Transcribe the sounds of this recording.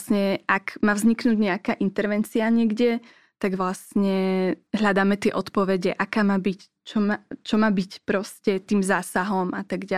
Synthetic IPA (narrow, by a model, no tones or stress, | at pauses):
sɲɛʔakmaːvzɲiknuːɟɲɛakaːʔint̪ɛɾʋɛnt͡siaɲɪɛɡɟɛ | t̪aɡʋlast̪ɲɛɦʎad̪aːmɛt̪ɪɛʔɔt̪pɔʋɛɟɛʔakaːmaːbic | t͡ʃɔmaːt͡ʃɔmaːbicpɾɔscɛt̪iːmzaːsaɦɔmat̪aɡɟa